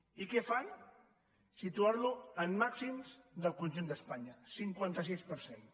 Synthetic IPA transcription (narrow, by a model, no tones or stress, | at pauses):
ikɛfaj | sit̪uaɾluəmːaksimzd̪əlˠkunʲʒund̪əspaɲəsiŋkwant̪əsispəɾsen